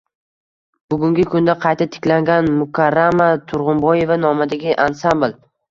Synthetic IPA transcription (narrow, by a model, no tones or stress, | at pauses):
bʊɡʲʊŋɡʲɪkʰʊnd̪aqʰɑjt̪ʰat̪ʰɪ̥kʲlaŋɡʲanmʊkʰaɾːamat̪ʰʊɾʁʊmbɒje̞vanɒmad̪aɡʲɪʔansambl